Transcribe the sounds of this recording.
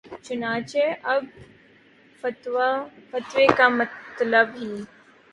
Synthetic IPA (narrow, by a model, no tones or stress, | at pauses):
t͡ʃʊnaːt͡ʃeʔɐb̚ | fət̪afət̪ʋekamɐt̪ləbɦiː